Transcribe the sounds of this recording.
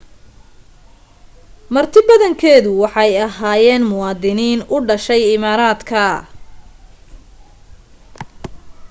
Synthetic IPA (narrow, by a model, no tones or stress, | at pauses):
mɐrt̪ʰɪbɐðɐŋkʰɛːðʊwɑħɑjɐɦaːjɛːnmʊwɑːd̪ɪniːnʊɖɐʃɛjɪmaːɾaːd̪kʰɐ